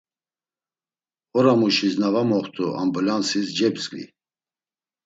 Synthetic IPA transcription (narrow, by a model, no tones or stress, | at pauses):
ɔɾamuʃisnavamɔχt̪ʰʼua̰mbulansisd͡ʒɛbsɡʼlḭ